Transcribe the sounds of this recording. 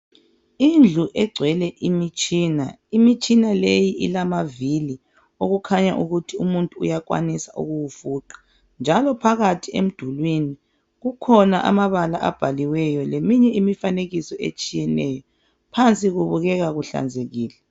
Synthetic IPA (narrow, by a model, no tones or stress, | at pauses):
ind͡ɮʱuʔɛɡ͡ǀʱwɛlɛʔimit͡ʃʼiːna̰ | imit͡ʃʼinalejiʔḭlamavili | oɣukʰaɲa̰ʔuɣutʰiumuntʼṵːjakwa̰nisaʔṵɣuwufuːǃḁ | nd͡ʒʱalɔpʰaɣatʰiḛm̩d̥ʱulwini | ɣukʰɔnaʔa̰maβalaʔa̰b̥ʱaliwɛjɔlemiɲɛimifaneɣisɔʔḛt͡ʃʼijɛnɛːjɔ | pʰant͡sʼiɣuβuɣɛɣaɣuɬa̰nd͡zʱeɣiːlɛ